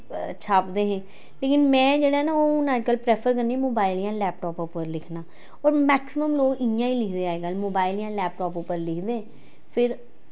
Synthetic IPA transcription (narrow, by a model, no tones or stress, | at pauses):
t͡ʃʰaːpd̪eːɦɛ̃ː | leːkɪnmɛ̃ːd͡ʒeːɽaːɦɛnaːoːnãːd͡ʒkəlpɾɛːpʰəɾkəɾnimoːbaːɪliãːlɛːp̚ʈɔːpopəɾlɪkʰnaː | ɔːɾmɛːksɪməmloːkɪjãːiːlɪkʰd̪eːaːeːɡamoːbaːɪliãːlɛːpʈɔːpopːəɾlɪkʰd̪eːɦɛ̃ː | pʰɪɾ